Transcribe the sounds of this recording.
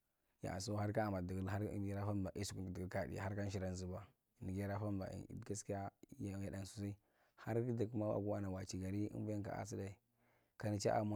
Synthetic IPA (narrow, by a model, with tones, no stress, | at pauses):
ja̰˨so˦ha˦ɾka˦a˨ma˨da˦ɾ̰ɾa˦fa˦˨ba˨ʔi˦su˦ku˦˨di˨ɡi˦ka˦˨dḭ˨a̰˨a˦ɾka˦n˦ʃ̬i˨ɾa˨n˦zu˦ba˦˨ | ni˨ɡa˦ɾa˦fa˦˨ba̰˨ɡa˦ski˦a˦ja˨ja˨da˨n˨su˨si˦ | ha˦ɾki˦da˨ku˦ma˦wa̰˨ku˦a˦na˨wa˨t͡ʃi˨ɡa˨ɾi˦ḭ˦bu˦ja˦ŋka̰˨a̰˨s̬i˦da˨i˨ | ka˨ni˨t͡ʃa̰˦ʔa̰˨ma˦